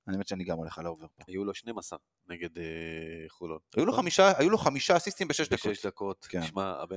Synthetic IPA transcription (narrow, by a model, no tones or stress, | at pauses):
aniemett͡ʃeaniɡamʁaleχalooveʁpoajuloʃnejmasa̰ | neɡed̪eχulotajuloχamiʃaajuloχamiʃaasist̪imbeʃeʃd̪aoʃdakot̪kenʃmaa̰be